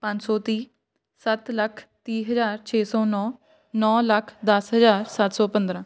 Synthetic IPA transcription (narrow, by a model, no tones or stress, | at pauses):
pãɲd͡ʒsɔːt̪iː | sət̪ləkʰt̪iːɦəzaːɾt͡ʃʰeːsɔːnɔː | nɔːləkʰd̪əsɦəzaːɾsat̪sɔːpə̃nd̪ɾãː